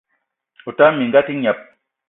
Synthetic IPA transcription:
u˨ta˦mi˨ŋɡa˦ti˦ɲa˨p̚

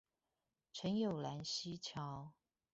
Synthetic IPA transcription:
ʈ͡ʂʰə˧˦˥njo˨˩ʊla˧˥nɕi˦t͡ɕʰjɑ˧˥˦ʊ

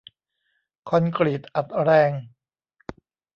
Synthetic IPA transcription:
kʰɔ˧nkɾi˨˩t̪̚ʔa˨˩t̪̚ɾɛː˧ŋ

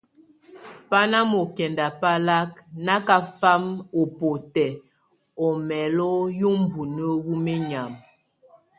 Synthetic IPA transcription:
pa˦na˦mo˨kɛ˨nda˨pa˦la˦kna˦ka˦fa˦mo˨po˨tɛ˨ | ɔ˨mɛ˨lɔ˦jo˦m̩˦bu˨nə˦wu˦me˦ɲa˨m

